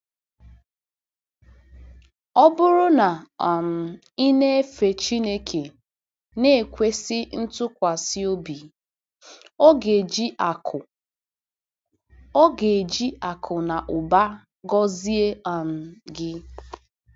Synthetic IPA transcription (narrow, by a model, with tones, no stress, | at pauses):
ɔ˦bʊ˦ɾʊ˦na˨m̩˨ | i˦ne˦fe˨t͡ʃi˦ne˦kʰe˨ | ne˦e˨kʷe˦sɪ˦n̩˦tʊ˦kʷa˨si˦o˦bi˨ | o˦ɡe˨d͡ʒi˦a˨kʊ˨ | ɔ˦ɡe˨d͡ʒi˦a˨kʰʊ˨na˨ʔʊ˨ba˦ | ɡɔ˦zi˦e˦a˨n̩˨ɡɪ˦